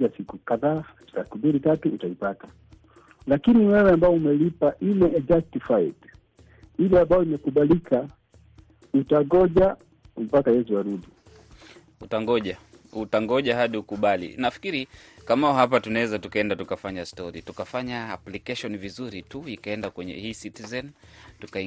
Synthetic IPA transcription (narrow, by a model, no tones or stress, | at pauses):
asikukaðaː | sakumbilitatuːtaipatḁ | lakiniwɛwɛambaɔumɛlipaʔilɛɛd͡ʒak̚tifait | ilɛambaɔimɛkuɓalika | utaɡɔʄa | m̩pakajɛsuwaɾuɗi | utaŋɡɔʄa | utaŋɡɔʄaɦaɗiukuɓalḭnafi̥kiɾikamaɔɦap̬atunaɛzatukaɛndatukafaɲastɔɾḭtukafaɲaːplikɛʃɔnvizuɾituikaɛndakwɛɲɛ̰hiːsitizɛn | tuka